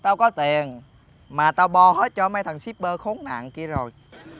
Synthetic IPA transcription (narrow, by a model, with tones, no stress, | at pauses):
t̪a˧wkɔ˨˦t̪i˨˩ən | maː˨˩t̪aː˧wɓɔ˧he˦˥t̚t͡ɕɔ˧ma˨˦jt̪ʰə˨˩ŋsi˦˥p̚ɓəː˧xo˨˦ŋna̰ː˧˨nki˧əzo˨˩j